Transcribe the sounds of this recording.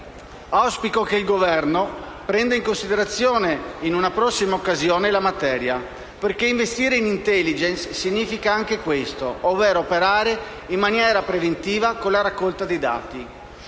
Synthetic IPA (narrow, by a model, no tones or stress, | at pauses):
awspikokeilɡovɛrno | pɾɛnd̪eiŋkonsid̪eɾat̪sːjoːneinunapɾɔsːimaokːazjoːnelamat̪ɛːɾja̰ | perkeiɱvest̪iːɾeinint̪ɛlːid͡ʒensːiɲːiːfikaaŋk̟ekwest̪oovːeːɾoːpeɾaːɾe | imːanjɛːɾapɾevent̪iːvakolːaɾakːolt̪ad̪ejd̪a̰ːt̪i